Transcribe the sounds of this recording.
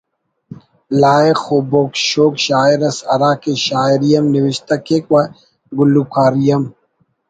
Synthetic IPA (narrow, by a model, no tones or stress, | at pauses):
laːexoːboːkʃoːkɕaːiɾɐsɐ̰ɾaːkeɕaːiɾijɐmniwiɕt̪ɐkekwɐ | ɡulːukaːɾijɐm